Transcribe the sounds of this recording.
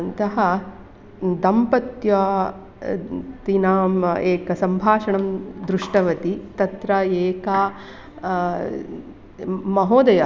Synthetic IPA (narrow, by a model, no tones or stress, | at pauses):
ɐnt̪ɐɦɐ | d̪ɐmpɐt̪jɐ | t̪inaːmeːkɐsɐmbʱaːʂɐɳɐmd̪ɾuʂʈɐʋɐt̪it̪ɐt̪ɾɐeːkɐ | mɐɦoːd̪ɐjɐ